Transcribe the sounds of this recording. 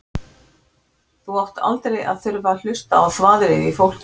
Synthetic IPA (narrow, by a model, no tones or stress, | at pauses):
θuvawht̪ʰa̰lt̪ɾeja̰ðθʏɾval̥ʏst̪aːwθvaːðɾɪifowl̥c